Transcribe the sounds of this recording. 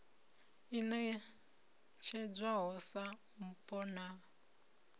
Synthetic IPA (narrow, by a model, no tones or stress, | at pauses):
inɛ | t͡ʃʰɛd͡zʷaɦɔsa | m̩pʼɔna